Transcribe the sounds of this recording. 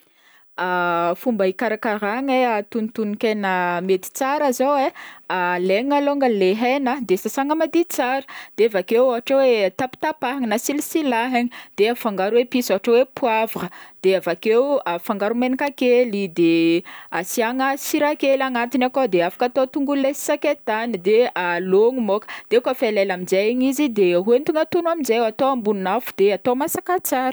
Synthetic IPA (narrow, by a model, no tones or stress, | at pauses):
afumbəikaɾakaɾaŋeat̪unit̪unikenamet̪i̥t͡saɾazowealeŋaloŋɡəleɦɛnəd̪esasaŋəmad̪it͡saɾə̥d̪̥eavakewaɦaʈ͡ʂawet̪api̥t̪apaɦaŋinasilisilaɦaɲid̪̥eafaŋɡaɾuwepisaaʈ͡ʂawepuavəd̪̥eavakewafaŋɡaɾumenikakelid̪easiaŋəsiɾakelaŋat̪inakod̪eafḁkat̪ot̪uŋɡulesi̥saket̪anid̪ealoŋumokə̥d̪̥eukafelelamid͡ʒajɲizid̪eɦuent̪uŋat̪unuamizewat̪owambuninafu̥d̪̥eat̪omasakat͡saɾ